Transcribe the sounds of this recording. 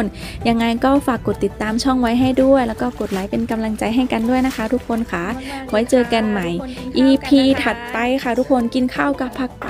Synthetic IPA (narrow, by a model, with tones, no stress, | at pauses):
n | ja˧ŋːa˧jkɔː˥˩faː˨˩kːo˨˩t̪ːi˨˩t̪ːaː˧mt͡ɕʰɔ˥˩ŋwa˦˥jɦa˥˩jdu˥˩əjlɛː˦˥wkɔː˥˩ko˨˩t̪̚laː˨˦jpe˧nka˧mla˧ŋt͡ɕa˧jɦa˥˩jka˧ndu˥˩əjna˦˥kʰa˦˥t̪ʰu˦˥kʰːo˧nkʰa˦˥wa˦˥jt͡ɕɤː˧ka˧nma˧˩jʔiː˧pʰiː˧t̪ʰa˨˩t̪̚pa˧jkʰa˧˥˩t̪ʰu˦˥kʰːo˧nki˧nkʰa˥˩wka˧˦˥pʰːa˦˥˩k̚